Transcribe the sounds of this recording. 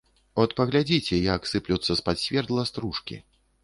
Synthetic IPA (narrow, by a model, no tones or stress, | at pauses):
ɔt̪pɐɣlʲad͡zʲit͡sʲɛjaksɨplʲut̪sːɐspat̪sʲvʲɛrd̪lˠɐst̪ɾuʂkʲḭ